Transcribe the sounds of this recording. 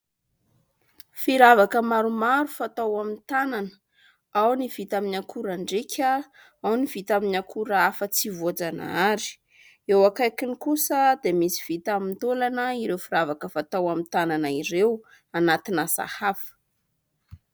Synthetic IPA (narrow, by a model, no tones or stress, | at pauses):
fiɾavakəmaɾumaɾufat̪awamint̪ananə̥ | awnivit̪aminakʰuɾaɳɖ͡ʐekʰʲə | awnivit̪aminakʰuɾəafət͡sivod͡zana̰aɾi̥ | ewakajkinikusəd̪emisi̥v̥it̪amint̪olanəiɾewfiɾavakəfat̪awamit̪ananaiɾew | anat̪inasa̰hafə̥